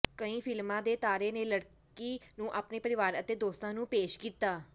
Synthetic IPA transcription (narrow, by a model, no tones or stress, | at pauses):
kəĩːpʰɪlmãːd̪eːt̪aːɾeːneːləɽkkiːnũːʔaːpneːpəɾɪʋaːɾət̪eːd̪oːst̪ãːnũːpeːʃkiːt̪aː